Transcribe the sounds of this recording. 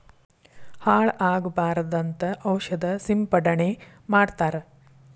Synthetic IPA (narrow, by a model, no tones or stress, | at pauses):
haːɭaːɡbaːɾd̪ɐnt̪ɐʔɐwʃɐd̪ɐsimpɐɽɐɳe | maːɽt̪aːɾɐ